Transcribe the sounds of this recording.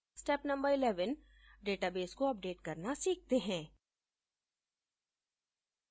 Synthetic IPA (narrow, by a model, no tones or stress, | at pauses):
sʈɛpnɐ̃mbəɾɪlɛːʋən | ɖeːʈabeːskoɐp̚ɖeːʈkɐɾnasiːk̚t̪eɦɛ̃ː